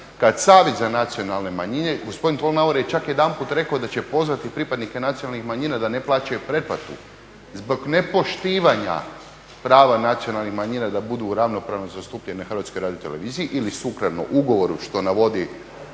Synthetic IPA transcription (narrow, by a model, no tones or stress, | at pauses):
kad̪saːʋjet̪zanat̪sio̞nalˠne̞maɲine̞ɡo̞spod̪int̪olˠnaoɾejet͡ʃakje̞d̪anpuːt̪ɾe̞kaod̪at͡ɕepo̞zʋat̪ipɾipad̪nike̞nat̪sijonalnixmaɲiːnad̪ane̞plˠaːt͡ʃajupɾe̞plat̪ṵ | zbo̞ɡne̞po̞ʃt̪iːʋaɲa̰ | pɾaːʋanat̪sio̞nalˠnixmaɲinad̪abud̪uːɾaʋno̞pɾaʋnozast̪upʎeneaxɾ̩ʋat̪skojɾaːd̪ijot̪e̞le̞ʋiːziiʔilisukɾano̰ʔuɡo̞ʋo̞ɾuʃt̪o̞naʋo̞d̪i